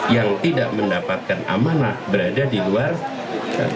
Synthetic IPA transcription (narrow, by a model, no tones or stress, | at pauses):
jaŋt̪idaʔməndapat̪̚kanʔa̰mana̰bəɾadadiluar | j̰